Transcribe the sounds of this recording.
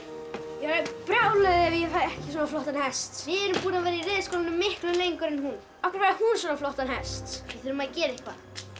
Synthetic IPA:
jɛapɾawlœðɪɛvjɛfaɛhcɪs̬ɔnaflɔht̪anhɛst̪jɛɛɾʏmpuːɾavɛːɾɪiɾɛːðskoːlanʏmːɪhklʏlejŋkʏɾɛnhun | akvaɾvaɾhunsɛnaflɔht̪anhɛst̪ɪθeɪɾʏmaðcɛːɾɪhkva

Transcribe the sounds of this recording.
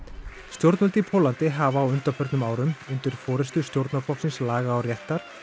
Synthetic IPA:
st̪jowɾt̪nɔlt̪ipʰɔːlant̪ɪɦavːwʏnt̪aɾfœɾt̪nʏmaːwɾʏmʏnt̪ʏɾ̥fɔːɾɛst̪ʏst̪jowɾt̪naflɔhksɪnslaːɣaːwrjɛht̪ːaɾ̥

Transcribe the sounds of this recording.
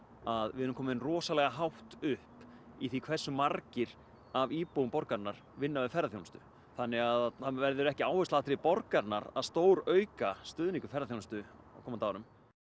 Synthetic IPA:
aðvɪ̰ðʏɾʏmkʰɔːmɪnrɔːsalɛɣaɦawht̪ʏhp | iθikʰv̥ɛsːʏmaɾcɪɾ̥ | aviːpowʏmpɔɾkaɾnaɾ̥vɪnːavɪfɛɾaθjwnst̪ʏ̰ | θanːɪɣaðavɛɾðʏɾɛhcɪaːwhɛst̪laht̪ɾɪpɔɾkaɾna̰ɾa̰ðst̪oːwɾœɥkast̪ʏðniŋkʏ̥fɛɾaθownst̪ʏa̰wkʰɔːmat̪aːwɾʏm

